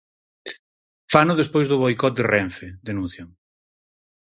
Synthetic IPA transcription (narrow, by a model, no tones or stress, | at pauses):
fanʊðespojzðʊβojkɔt̪̚d̪erɛɱfed̪enũnθjaŋ